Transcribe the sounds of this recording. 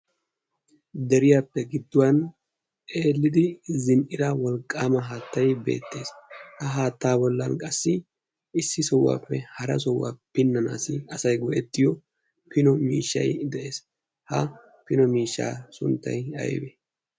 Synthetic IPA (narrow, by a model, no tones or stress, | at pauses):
d̪ɛɾɪjaːpːɛɡɪd̪ːʊwɐn | ʔeːlːɪd̪ɪzɪnʔɪd̪ɐwɔlkʼːaːmɐɦaːt̪ːɐjbe̞̰ːt̪ːe̞ːshɐɦaːt̪ːaːbɔlːɐnkʼɐsːɪ | ɪsːɪsɔwːa̰ːpːɛhɐɾɐs̬ɔwːa̰ːpɪnːɐna̰ːsɪɐsɐjɡɔʔɛt̪ːɪjɔ | pɪnɔmiːʃːɐ̰jd̪ɛʔe̞ːs | hɐ | pɪnɔmiːʃːa̰ːsʊnt̪ːɐ̰jɐ̰jbɛ